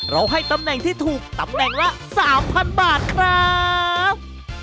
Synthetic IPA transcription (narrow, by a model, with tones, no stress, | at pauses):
ɾa˧wɦa˥˩jt̪a˧mnɛ˨˩ŋt̪ʰiː˥˩t̪ʰuː˨˩k̚t̪a˨˩˦mnɛ˨˩ŋla˦˥ʔsaː˩˦mpʰa˧nbaː˨˩t̪̚kʰɾa˥p̚